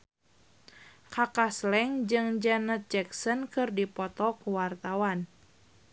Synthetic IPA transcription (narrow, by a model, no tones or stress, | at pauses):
kakaslɛŋd͡ʒɨŋd͡ʒanət̪̚d͡ʒɛksənkɨrdipɔt̪ɔkuwart̪awan